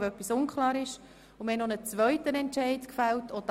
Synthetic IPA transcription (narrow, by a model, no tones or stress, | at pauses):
œpːisʊnkʰlɑːɾɪʃ | ʊmɛnonət͡sʋœʏtənɛnt͡ʃɛɪdkfæltod̥